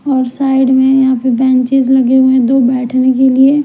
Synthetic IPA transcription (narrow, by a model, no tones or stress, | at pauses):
ɔːɾsaːɪɖmẽjɐɦãpebɛ̃ːɲt͡ʃɪzlɐɡeɦũẽd̪oːbɛːʈʰnekelie